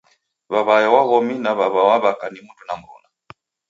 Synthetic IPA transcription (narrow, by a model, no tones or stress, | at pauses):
βaβajawaɣɔminaβaβawaβakanimutunam̩ɾṵna